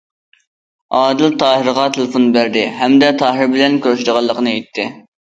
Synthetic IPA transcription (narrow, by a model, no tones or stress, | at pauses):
ɑːd̪ɨlt̪ʰɑːɦəɾəʁɑt̪ʰelˠɨfonbæɾd̪ɪɦɛmd̪ɛt̪ʰɑːɦɪɾbɪlɛnkʲʰøɾʃɪd̪əʁɑlˠːəqənɨet̪ʰːɪ